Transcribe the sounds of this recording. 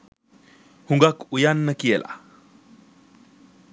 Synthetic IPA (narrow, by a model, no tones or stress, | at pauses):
huŋɡakːujanːɐkijelʔa̰